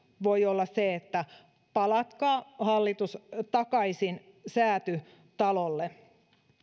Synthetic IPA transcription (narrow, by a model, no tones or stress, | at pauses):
ʋojolːɑsseet̪ːæ | pɑlɑt̪kɑːhɑlːit̪ust̪ɑkɑisin | sæːt̪y | t̪ɑlolːe